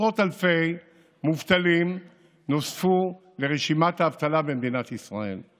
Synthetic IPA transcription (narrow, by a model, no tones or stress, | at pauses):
ʁo̞talfe̞j | muvt̪alim | nosfu | le̞ʁeʃimat̪haːvt̪alabe̞nd̪inat̪isʁae̞̰l